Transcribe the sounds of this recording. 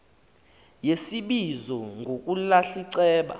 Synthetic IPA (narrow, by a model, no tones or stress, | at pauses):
jesiɓizɔŋɡʱokʼulaɬiǀɛːɓa̰